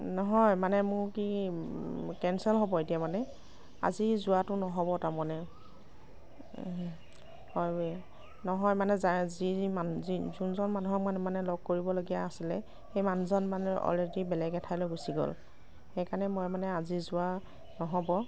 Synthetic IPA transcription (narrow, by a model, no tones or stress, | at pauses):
nɔɦɔjmanɛmʊɹki | kɛnsɛlɦobɔetijamanɛ | a̰zizʊatʊnɔɦɔbɔtaɹmɔnɛ | hɔje | nɔɦɔjmanɛzazimazizunzɔnmanuɦɔanmanɛlɔɡ̚koɹibɔloɡijaːsilɛ | xejmanuzɔnmanɛʔɔ̰ledibɛlɛɡɛtʰajloɡusiɡɔ̰l | xejkanɛmojmanɛazizʊa | nɔɦɔbɔ